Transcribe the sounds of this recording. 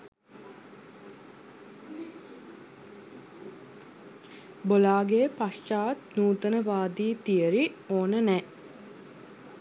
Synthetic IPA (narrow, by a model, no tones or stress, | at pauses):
bolaːɡejəpast͡ʃaːt̪nuːt̪ənəʋaːd̪iːt̪ijəɾioːnənɛ